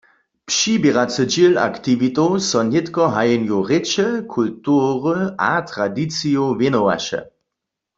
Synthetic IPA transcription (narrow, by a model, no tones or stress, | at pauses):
pʃibjɛʁat͡səd͡ʒila̰kt̪iʋit̪owsɔnjetkɔɦajɛnjoʁet͡ʃɛkʰultuʁəʔat̪ʁadit͡sijovjenowa̰ʃɛ̰